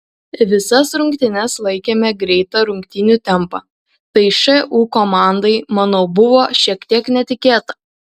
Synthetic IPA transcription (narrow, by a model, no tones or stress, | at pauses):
ʋʲɪsɐsɾʊŋʲkt̪ʲɪnʲɛslˠɐɪkʲeːmʲɛɡɾʲɛɪt̪ɐɾʊŋʲkt̪ʲɪnʲuːˑt̪ʲɛmˑpɐ | t̪ɐɪʃɐʔuːkomɑˑnd̪ɐɪmɑnoːbʊʋoːʃʲiɛkt̪ʲiɛknʲɛt̪ʲɪkʲeːt̪ɐ